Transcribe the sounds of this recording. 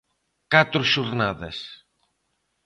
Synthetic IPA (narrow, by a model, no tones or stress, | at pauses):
kat̪ɾusuɾnaðes